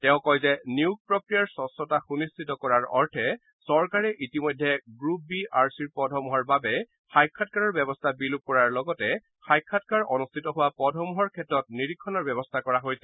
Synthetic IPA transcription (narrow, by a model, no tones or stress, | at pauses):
tɛʊ̃kɔjzɛniuk̚pɹɔkɹijaɹsɔsɔtaxunistʰitɔkɔɹaɹɔ̰ɹtʰɛ | sɔɹkaɹɛʔitimɔjdʱɛɡɹup̚biaɹsiɹpɔdʱɔmɔɦɔɹbabɛ | xajkʰːat̚kaɹɔɹbɛbɔstʰabilup̚kɔɹaɹlɔɡɔtɛ | xajkʰːatkaɹʔɔnustʰitɔɦʊwapɔdʱɔmɦɔɹkʰɛtɹɔt̚niɹikʰːɔnɔɹbɛbɔstʰakɔɹaɦojsɛ